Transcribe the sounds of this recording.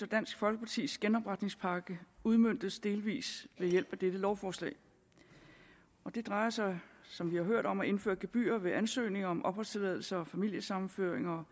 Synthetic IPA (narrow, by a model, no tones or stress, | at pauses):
ɒd̥æn̰sɡ̥fɒ̽lɡ̥əpʰɑ̈t͡sʰḭːsɡ̥enɒ̽b̥ʁɑad̥ne̝ŋspʰɑ̈ːɡ̥əuð̞ˠmøn̰d̥ð̩sd̥e̝ːlʋḭːsʋe̝jel̰b̥æd̥ed̥əlɒʊfɒːslɛ̰ːɪ | ɒ̽d̥e̝d̥ʁɑ̈ɪɐsɑ̈ɪsɒ̽mʋihɑ̈ɦøɐ̰ɾ̥ɒ̽mæe̝nfø̰ːɐɡ̥eb̥y̰ːɐʋe̝ʔænsø̰ːne̝ŋɐɒ̽mʔɒ̽b̥hɒlst͡sʰe̝lɛð̞ˠl̩sɐɒ̽fæmil̰jəsɑ̈mn̩føɐ̰eŋɐɒ